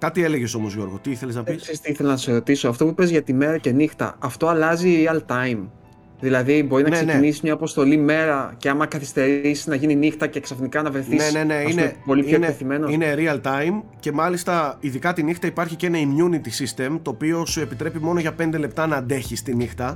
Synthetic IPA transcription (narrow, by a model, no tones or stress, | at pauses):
kɐt̪ie̞le̞ʝe̞so̞mozʝo̞ɾɣo̞t̪iiθe̞leznɐpisssist̪iiθelɐnɐseɾo̞t̪isoɐft̪o̞puipe̞zʝɐt̪ime̞ɾɐce̞nixt̪ɐ̰ɐft̪o̞ɐlɐziɾiɐlt̪ɐjm | ðilɐðibo̞ɾinɐneseneinisimɲɐːpo̞st̪o̞lime̞ɾɐceɐmɐkɐθi̥st̪e̞ɾisi̥nɐʝininixt̪ɐce̞ksɐfnikɐnɐvɾe̞θinene̞ne̞inepo̞lipoeneeθime̞noine̞ɾiɐlt̪ɐjmce̞mɐlist̪ɐiðikɐt̪inixt̪ɐipɐɾçice̞nɐimjunit̪isist̪e̞mt̪o̞ːpio̞sue̞pit̪ɾe̞pimo̞noʝɐpe̞nd̪e̞le̞p̚t̪ɐnɐːd̪e̞çist̪inixt̪ɐ